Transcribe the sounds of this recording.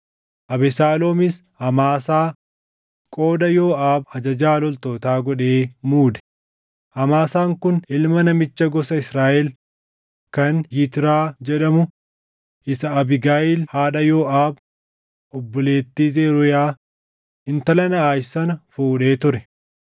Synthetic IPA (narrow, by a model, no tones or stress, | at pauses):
ʔɐbɛsaːloːmɪs | hɐmaːsaː | kʼo̞ːd̪ɐjo̞ːʔaːbɐd͡ʒɐd͡ʒaːlɔlt̪o̞ːt̪aːɡɔᶑe̞ːmuːd̪ɛ̥ | hɐmaːsaːŋkʊnɪlmɐnɐmɪt͡ʃːɐɡɔsɐɪsɾaːʔɛl | kɐnjɪt̪ɪɾaːd͡ʒɛᶑɐmʊ | ʔɪsɐɐbɪɡaːjɪlhaːᶑɐjoːʔaːb | ʔɔbːɔle̞ːt̪ːiːzeːɾʊjaː | ɪnt̪ɐlɐnɐaːjsɐnɐfuːᶑe̞ːt̪ʊɾɛ